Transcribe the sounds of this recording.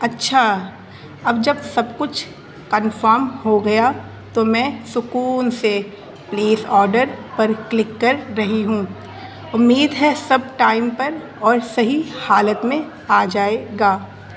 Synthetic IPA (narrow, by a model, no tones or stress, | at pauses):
ɐtːʃʰa | ɐbd͡ʒɐbsɐbkʊt͡ʃʰ | kənfəɾmhoɡɐja | t̪omɛ̃ːsʊkuːnse | pleːsɔːɾɖəɾpɐɾklɪkːɐɾːɐɦiɦũː | ʊmːiːd̪ɦɛsɐb̚ʈaːɪmpɐɾ | ɔːɾsɐɦihaːlət̪mẽ | aːd͡ʒaːeɡaː